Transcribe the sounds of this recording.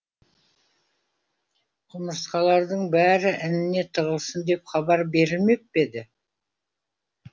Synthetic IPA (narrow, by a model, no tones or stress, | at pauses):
qʰʊməsqɑlˠɑɾd̪əɴbæɾɪʔɪnɪne̞t̪ʰəʁəlˠsənd̪e̞pχɑbɑɾbe̞ɾɪlme̞p̚be̞d̪ɪ